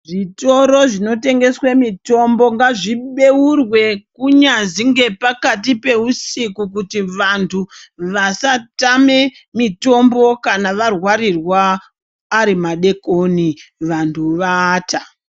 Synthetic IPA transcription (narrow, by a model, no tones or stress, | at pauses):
ʐito̞ɾo̞ʐino̞te̞ŋɡe̞swe̞mito̞mbo̞ŋɡaʐiɓe̞urwe̞kuɲaziŋɡe̞pakatipe̞usikuk̬utiʋantʰuʋasatame̞ | mito̞mbo̞kanaʋarwaɾirwaː | ɾimaɗe̞koniʋantʰuʋaːta